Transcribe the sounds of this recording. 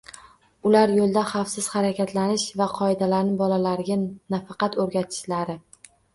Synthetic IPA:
ʊlaɾjolˠd̪aχɑfsɪz̥χɑɾakʲat̪ʰlanɪʃvaqʰɒɪd̪alaɾnɪbɒlalaɾɪɡʲanafɑqɑt̪ɵɾɡʲat̪ʰɪ̥ʃlaɾɪ

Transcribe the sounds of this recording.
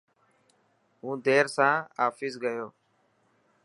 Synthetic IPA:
ɦũːd̪ʱeːɾsãːaːfiːsɡəjoː

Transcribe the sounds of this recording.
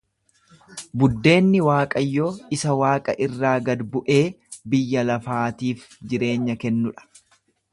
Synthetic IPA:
bʊd̪ːe̞ːnːɪwaːkʼɐjːoːɪsɐwaːkʼɐ̰ʔɪrːaːɡɐd̪bʊʔe̞ː | bɪjːɐlɐfaːt̪iːf | d͡ʒɪɾe̞ːɲːɐkɛnːʊᶑɐ̥

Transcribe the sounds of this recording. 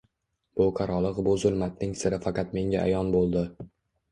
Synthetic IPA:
b̥ʊqʰɑɾɒlˠɨqbʊzʊlˠmat̪̚nɪŋsɪɾɪfɑqɑt̪me̞ŋʲaʔa̰jɒnbolˠd̪ɪ

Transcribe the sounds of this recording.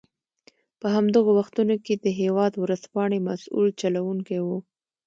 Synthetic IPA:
pəɦamd̪əɣowaxt̪unoked̪əɦewɑd̪wɾəspɑɳemasṵlt͡ʃalawuŋkewu

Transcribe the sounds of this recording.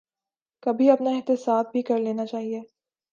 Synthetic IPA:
kɐbʱiɐpnaɪɦt̪ɪsaːb̚bʱikɐɾleːnat͡ʃaːɦieː

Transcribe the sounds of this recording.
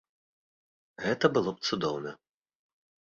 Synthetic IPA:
ɣɛt̪ɐbɨlˠɔp̚t̪sud̪ɔwnɐ

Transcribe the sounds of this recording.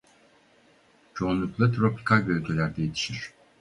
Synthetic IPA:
t͡ʃʰo̞unlˠuklˠat̪ʰɾo̞pʰi̥kʰalʲbølʲɟʲelʲæɾd̪ɛjet̪ʰi̥ʃiɾ̝̥

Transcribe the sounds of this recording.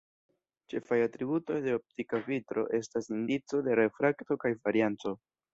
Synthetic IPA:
t͡ʃe̞fajatɾibuto̞jde̞o̞p̚tikavitɾo̞̰ʔe̞stasindit͡so̞de̞ɾe̞fɾakto̞kajvaɾiant͡so̞

